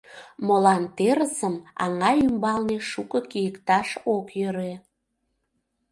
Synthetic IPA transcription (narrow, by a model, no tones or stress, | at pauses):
molɑnt̪eɾəsəmɑ̰ŋɑymbɑlneʃukəkijəkt̪ɑʃokjøɾe